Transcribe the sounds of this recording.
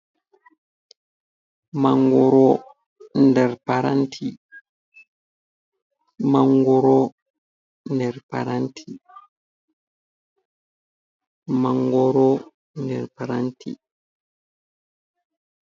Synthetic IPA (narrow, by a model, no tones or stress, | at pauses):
maŋɡɔɾɔ | ndɛɾpaɾantʰi | maŋɡɔɾɔ | ndɛɾpa̰ɾantʰi | maŋɡɔɾɔ | ndɛɾpaɾantḭ